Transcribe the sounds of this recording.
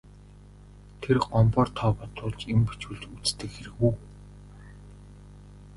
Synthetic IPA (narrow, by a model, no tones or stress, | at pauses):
t̪ʰerɢɔmpɔːrt̪ʰɔːpɔt̪ʊːɮt͡ɕempi̥t͡ɕwɘ̆ɮt͡ɕut͡st̪ɘ̆kxeɾɘ̆ɣuː